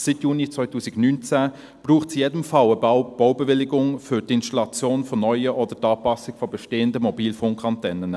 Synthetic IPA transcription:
sitjuːnit͡sʋœʏtʰuːsɪɡnynt͡sæ | b̥ruːχtsjeːdəmfɑləb̥ɔwbəvɪlɪɡʊŋfʏɾtɪnstɑlɑt͡sjoːnfɔnœʏəʔɔdətɑːpɑsɪɡ̥fɔbəʃteːəndəmɔbiːlfʊŋkʰɑntɛnən

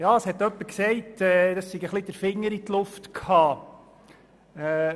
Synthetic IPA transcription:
jɑːəshɛt̪ːœpːəksɛɪtɛːd̥ɑssiɡəχlid̥̪əɾfɪŋːəɾit̪lʊftkʰhɑː | ɛ

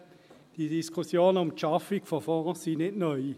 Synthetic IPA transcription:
d̥idiskʰʊsjoːnəʊmtʰɑfikfɔfɔːʁəsinɪtnœʏ

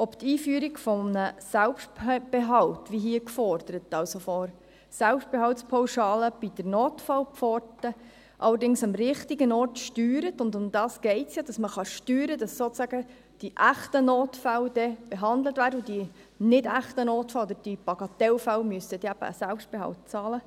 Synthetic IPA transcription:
ɔpt̪iːfyːɾiɡfɔmnəsælpʃtb̥eɦɑltʋiɦiəkfɔrd̥̪əɾət̪ɑlsofɔɾ | sælpʃt̚b̥ɛɦɑltspʰɔwʃɑːləb̥id̥əɾnoːtfɑlpfɔrtə | ʔɑ̰lːəɾdɪŋsɑmɾɪχtiɡənɔrtʃtyːɾətʊndʊmd̪ɑːsɡ̥ɛɪtsjɑd̥ɑsməχɑʃtyːɾədɑssoːt͡sæɡ̥ə | d̥iʔæχtənoːtfæld̥ɛb̥eɦɑnd̪lətvʋæːɾəudi | nɪdæχtənoːtfɑlɑd̪əɾd̥ib̥ɑɡ̥ɑt̪ɛlfælmyəstəd̥ɛæb̥ə̰ːsælpʃt̚b̥ɛɦɑ̰lt̚t͡sɑːlə

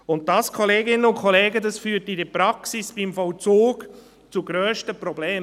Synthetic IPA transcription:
ʊnt̚dɑskʰɔleːɡɪnənʊnkʰɔleːɡədɑsfyːɾtidəpɾɑksisb̥ɪmfɔwt͡suːɡ | t͡suɡɾøːʃtəpɾɔbleː

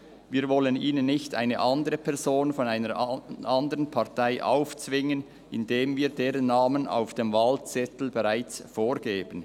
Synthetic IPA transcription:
viːɐvɔləniːnənːɪçta̰ɪnə̰ʔɑndəʁəpʰɛʁzoːnfɔnaɪnəɾʔɑndəʁənpʰɑʁtaɪʔa̰ʊft͡svɪŋən | ʔɪndeːmviːdeːʁənːaːməna̰ʊfd̥emvaːlt͡sɛtl̩beʁaɪt͡sfoːʁɡeːb̥ən

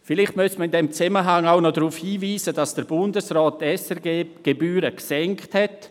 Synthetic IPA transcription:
fɪlɪχtmʏstmanɪndemt͡sɛməɦaŋaʊxnodaʁuːfhiːviːzəd̥ɑsd̥ɛɾbʊndəsʁaːtɛsɛɡeːɡ̥ebyːɾəɡ̥sɛŋkthɛt

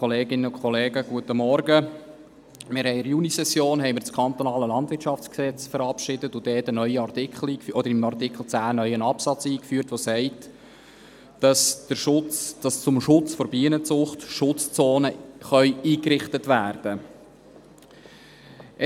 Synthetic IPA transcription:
ɔleːɡɪnəʊkʰχɔleːɡəɡ̥uətəmɔɾɡə | mɪɾhɛɪɪɾjunisɛsjoːnɦɛɪməɾt͡skʰɑnt̪ɔnɑːləlɑndʋɪɾtt͡ʃʃɑft͡sksɛt͡sfəɾɑpʃɪdətʊd̥ɛːtənœʏəɑrt̪ɪkχl̩iːkfʔɔd̪əɾɪmɑrt̪ɪkχl̩t͡sæːnœʏənɑpsɑt͡siːkfyːərtʋosɛɪt | d̥ɑsd̥əʃʊt͡sd̥ɑst͡sʊmʃʊt͡sfoɾbiənət͡sʊχtʃʊt͡st͡soːnəχœʏiːkɾɪχtətʋæːrd̥ə

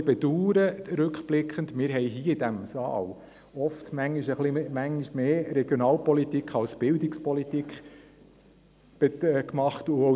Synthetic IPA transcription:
b̥ɛd̥̪uːɾəɾɵkχb̥lɪkχəndmɪːɾɦɛɪɦiːəidæmsɑ̰ːl | ɔftmæŋːiʃəχlimæŋiʃmeːɾɛɡ̥jonɑːlpɔlitikʰχɑlsb̥ɪldikspɔlit̪ikχ | b̥kmɑχtʊo

